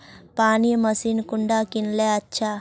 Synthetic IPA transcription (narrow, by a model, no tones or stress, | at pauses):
paːnijɐmɐsiːnkuɳɖaːkinleːɐt͡ʃʰːa